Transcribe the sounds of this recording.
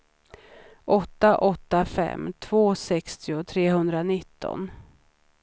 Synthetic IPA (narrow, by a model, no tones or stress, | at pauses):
ʔɔt̪ːaʔɔt̪ːafɛ̰mːt̪ʰv̥oːsɛkst̪ʰɪʊt̪ʰɾeːɦɵnd̪ɾanɪt̪ːɔ̰n